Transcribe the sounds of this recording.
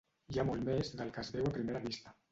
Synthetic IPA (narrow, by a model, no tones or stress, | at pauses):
ʒamolmezðəlˠkəzβɛwapɾimeɾaβist̪a